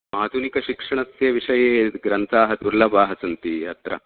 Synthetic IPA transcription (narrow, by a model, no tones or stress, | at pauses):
maːd̪ʱunikɐʃikʂɐɳɐsjɐʋiʂɐjeːɡɾɐnt̪ʰaːɦɐd̪uɾlɐbaːɦɐsɐnt̪iɐt̪ɾɐ̰